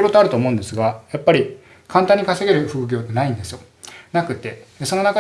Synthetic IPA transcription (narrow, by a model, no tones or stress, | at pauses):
ɾo̞t̪oaɾɯt̪oːmo̞ɯ̟̃nd̪e̞sɨɡajapːaɾʲi | kʰãnt̪ãɲ̟ːikase̞ɡe̞ɾɯ̟ɸɯ̟ɯɡʲo̞ːt̪ːenaĩnd̪e̞sɨjo̞ | nakɯ̟t̪e̞so̞no̞naka